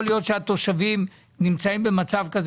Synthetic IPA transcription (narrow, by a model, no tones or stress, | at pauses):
lijo̞t̪ʃeat̪o̞ʃavim | nimt͡saimbe̞mat͡savkaz